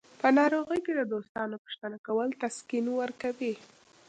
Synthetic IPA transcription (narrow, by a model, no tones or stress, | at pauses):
pənɑɾoɣəjked̪əd̪ost̪ɑnopə̥ʃt̪anakawəlt̪askinwəɾkawi